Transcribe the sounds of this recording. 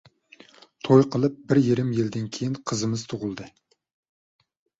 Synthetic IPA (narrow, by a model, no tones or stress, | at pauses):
t̪ʰojqʰəlˠɨp̚bɪɾjeɾɪmjild̪ɪnkʲʰejinqʰəzɨmɨz̥t̪ʰʊʁʊlˠd̪ɨ